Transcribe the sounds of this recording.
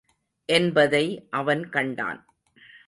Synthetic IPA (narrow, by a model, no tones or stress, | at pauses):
ʔɛnbɐðɐɪʔɐʋɐnkɐɳɖa̰ːn